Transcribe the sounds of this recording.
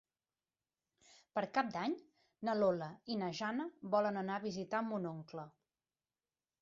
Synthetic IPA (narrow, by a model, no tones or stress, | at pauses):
pəɾkap̚d̪aɲ | nəloləinəʒanəβɔlənənaəβizit̪aəmunoŋklə